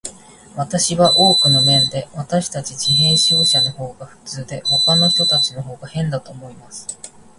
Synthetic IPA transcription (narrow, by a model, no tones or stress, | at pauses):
βat̪aɕiβaʔo̞ːkɯ̟no̞mẽ̞nd̪e̞βat̪aɕi̥t̪at͡ɕit͡ɕiɦẽ̞ɕoːɕano̞ho̞ːɡaɸɯ̟̥t͡sɨːd̪e̞ho̞kano̞ç̥t̪o̞t̪at͡ɕino̞ɦo̞ːɡahẽ̞nd̪at̪o̞ːmo̞imasɨ̥